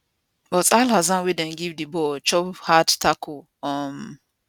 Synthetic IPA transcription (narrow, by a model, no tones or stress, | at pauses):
bɔtaɪlhazãnwidɛ̃nɡivdibɔt͡ʃɔbhadtʰakʰu | ɔm